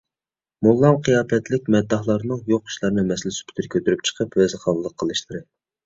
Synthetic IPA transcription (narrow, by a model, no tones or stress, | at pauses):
molˠːɑmqʰijɑːt̪ʰɛt̪lɪk̚ʲmɛd̪ːɑhlˠɑɾnɨŋjoqi̥ʃlˠɑɾnɨmɛsɪlɪsy̥pʰt̪ʰyɾkʲʰøt̪yɾyp̚t͡ʃʰə̥qʰəpwɛzɨχɑlˠəlˠəqʰːəlˠɨʃlˠɨɾɨ